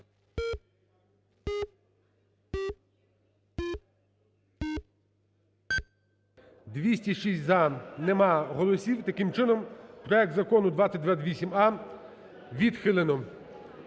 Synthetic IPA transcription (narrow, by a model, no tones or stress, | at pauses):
d̪ʋʲisʲtʲiʃisʲtʲzɐnemɑɦɔlˠɔsʲiwt̪ɐkɪmt͡ʃɪnɔmpɾɔɛk̚t̪zɐkɔnʊd̪ʋat̪sʲɐt̚ʲd̪ʋat̪ʲʋʲisʲimɑ | ʋʲid̪xɪlˠenɔ